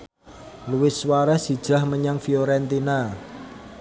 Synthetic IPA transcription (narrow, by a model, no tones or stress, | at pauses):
luwɪswaɾasid̥ʒ̥a̤hməɲaŋfioɾɛnt̪ina